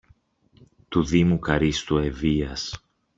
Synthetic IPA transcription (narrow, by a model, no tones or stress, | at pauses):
t̪uðimukɐɾist̪ue̞viɐs